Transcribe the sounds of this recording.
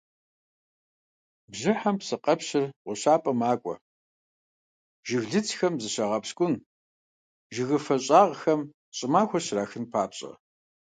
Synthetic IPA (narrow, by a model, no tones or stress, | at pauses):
bʑɪħɐmpsɨqʼɐpɕɪrʁʷʊɕaːpʼɐmaːkʷʼɔ̰ | ʒɪɣɮɨt͡sʰxɐmzɨɕɐʁɐpskʷʼʊn | ʒɪɣɨfɐɕʼaːʁxɐm | ɕʼɪmaːxʷɐɕraːxɨnpʰaːpɕʼɐ̰